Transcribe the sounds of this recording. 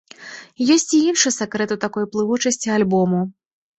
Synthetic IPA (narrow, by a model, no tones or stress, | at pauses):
jɔsʲt͡sʲiinʂɨsakɾɛt̪ut̪akɔjplˠɨvut͡ʂɐsʲt͡sʲialʲbɔmu